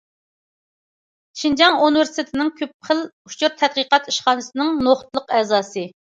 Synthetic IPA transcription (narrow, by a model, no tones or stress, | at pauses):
ʃind͡ʒɑŋunɨvɪɾst̪ʰɪt̪ʰɪnɪŋkʲʰøp̚χəlut͡ʃʰuɾt̪ʰɛd̪̚qəqɑt̪iʃχɑːnɨsɨnɪŋnoχt̪lˠəqɛːzɑːsɨ